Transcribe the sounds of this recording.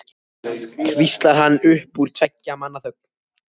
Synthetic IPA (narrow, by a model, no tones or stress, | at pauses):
kʰvist̪laɾ̥ɦanːʏhpuɾ̥t̪ʰvacːamanːaθœhp̚n